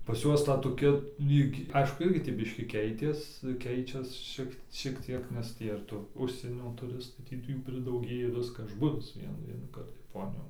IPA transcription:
pɐs ˈjuɔs ˈtɐ toːˈkʲɛ ˈlʲiːk ˈɐɪʃkʊ ˈɪrʲɡʲɪ tʲiː ˈbʲɪʃʲkʲiː ˈkʲɛɪtʲeːs ˈkʲɛɪt͡ʃʲɛs ˈʃʲiɛk ʃʲiɛk ˈtʲiɛk nʲɛs ˈtʲiː ɪr tʊ ˈʊʃʲsʲiɛnʲoː tʊˈrʲɪstɐɪ ˈtʲiː tɐɪ juː pʲrʲɪdɐʊˈɡʲeːjɛ ʋʲɪskɐ ˈɐʃ ˈbʊʋʲɪs ˈʋʲiɛnuː ʋʲiɛnuːˈkɐrt jɛˈpoːnʲɪjoːn

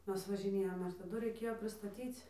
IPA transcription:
ˈmʲɛs ʋɐʒʲɪˈnʲeːjoːm ɪr tɐˈdʊ rɐɪˈkʲeːjoː pʲrʲɪstɐˈtʲiːt͡s

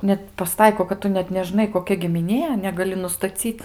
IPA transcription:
nʲɛt pɐˈstɐɪkoː kɐt ˈtʊ nʲɛt nʲɛˈʒnɐɪ koːˈkʲɛ ɡʲɪmʲɪˈnʲiɛ nʲɛɡɐˈlʲɪ nʊstɐˈt͡sʲiːt

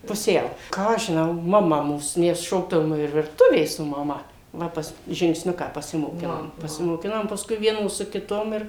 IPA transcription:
pʊˈsʲɛʊ ˈkɑː ɐʃ ʒʲɪnɐʊ mɐˈmɐ ˈmuːs ˈmʲɛs ˈʃoːɡdɐʋoːm ɪr ʋʲɪrˈtʊʋʲeː sʊ mɐˈmɐ ˈʋɐ pɐs ʒʲɪŋksʲˈnʲʊkɑː pɐsʲɪmoːˈkʲɪnoːm pɐsʲɪmoːˈkʲɪnoːm pɐsˈkʊɪ ˈʋʲiɛnoːs sʊ kʲɪˈtoːm ɪr

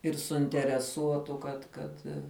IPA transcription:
ɪr sʊɪnʲtʲɛrʲɛˈsuɔtʊ kɐt ˈkɐt

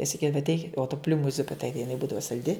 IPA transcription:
ɪ sɐˈkʲiːdɐʋɐ ɐtʲˈɛɪkʲɪt oː tʊ ˈpʲlʲuːmʊ ˈzʊpʲɪ ˈtɐɪɡʲɪ jɪˈnɐɪ ˈbuːdɐʋɐ sɐlʲˈdʲɪ

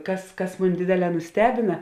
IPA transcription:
ˈkɐs ˈkɐs ˈmʊnʲ ˈdʲeːdʲeːˌlʲɛː nʊˈsʲtʲæːbʲɪnɐ

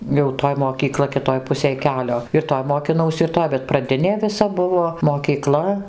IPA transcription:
jɛʊ ˈtoːj moːkʲiːˈklˠɐ kʲɪˈtoːj ˈpʊsʲeːj ˈkʲæːlʲoː ɪr ˈtoːj moːkʲɪˈnɐʊsʲɪ ɪr ˈtoːj bʲɛt prɐˈdʲɪnʲeː ʋʲɪˈsɐ ˈbʊʋoː moːkʲiːˈklˠɐ

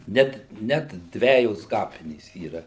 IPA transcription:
ˈnʲɛt nʲɛt ˈdʲʋʲæːjoːs ˈkɑːpʲɪnʲeːs iːˈrɐ

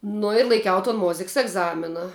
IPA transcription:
ˈnʊ ɪr lˠɐɪˈkʲɛʊ toːn ˈmoːzʲɪks ɛɡˈzɑːmʲɪnɐ

